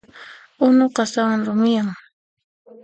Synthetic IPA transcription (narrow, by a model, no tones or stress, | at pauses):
ʊnoqɑsawaŋɾʊmɪjaŋ